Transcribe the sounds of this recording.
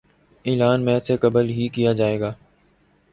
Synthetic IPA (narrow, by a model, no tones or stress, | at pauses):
iːlaːnmɛ̃ːsekəbəlɦiːkijaːd͡ʒaːeːɡaː